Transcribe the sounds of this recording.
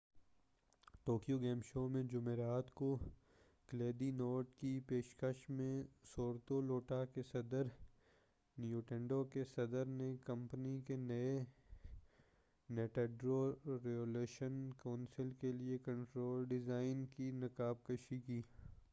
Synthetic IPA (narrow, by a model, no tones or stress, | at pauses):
ʈoːkijoɡeːmʃoːmẽd͡ʒʊmeːɾaːt̪ko | kleːd̪inoːɾʈkipeːʃkəʃmẽsoːɾt̪oloːʈakesɐd̪əɾ | njuːʈɛ̃ɳɖokesɐd̪əɾnekɐ̃mpnikenɐe | neːʈɛːɖɾoɾeoleːʃənkaʊnsɪlkeliekɐ̃ɳʈɾoːlɖɪzaːɪnkinɐkaːb̚kəʃikiː